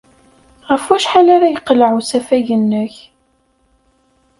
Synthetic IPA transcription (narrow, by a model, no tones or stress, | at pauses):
ʁəfæʃħalaɾajəqːlʕusæfæjənːəç